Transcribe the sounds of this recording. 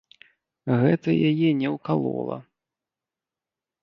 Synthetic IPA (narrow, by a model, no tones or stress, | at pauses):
ɣɛt̪ɐjajɛnʲɛwkalˠɔ̰lˠɐ̰